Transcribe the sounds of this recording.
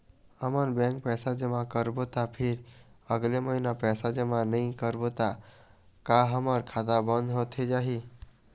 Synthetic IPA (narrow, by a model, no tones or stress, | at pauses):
əməɾbɛ̃ŋk̚pɛːsad͡ʒəmãkəɾbot̪apʰɪɾəɡleməɦinapɛːsad͡ʒəmãnəĩkəɾbot̪a | kaɦəməɾkʰat̪abə̃nd̪ɦot̪ʰed͡ʒaːɦi